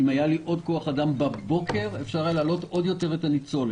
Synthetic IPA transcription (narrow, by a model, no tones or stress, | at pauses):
imajaliʔo̞dko̞aχadambabo̞ke̞ʁefʃaʁaleːlo̞to̞d̪jo̞te̞ʁet̪anit͡so̞l